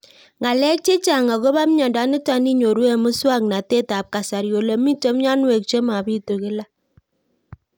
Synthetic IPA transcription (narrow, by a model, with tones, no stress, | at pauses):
ŋa˨lɛ˦k̚t͡ʃe˦t͡ʃa˨ŋa˨ko˦ba˦m˦ɲa˨da˨˦ni˦ta˦ni˦ɲo˨ɾe˦˨mə˦swa˦˨k̚na˨te˦˨ta˨p̚ka˨sa˨ɾjo˨lo˨mi˦to˦m˦ɲa˦n˦we˨k̚t͡ʃe˦ma˨bi˦˨to˨ki˦la˦